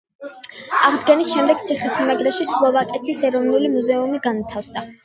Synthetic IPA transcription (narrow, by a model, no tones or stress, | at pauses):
aʁd̪ɡɛnisʃɛmd̪ɛɡ̚t̪sʰiχɛsimɛɡɾɛʃislˠɔvakʼɛt̪ʰisɛɾɔvnulimuzɛumiɡanat̪ʰafsd̪a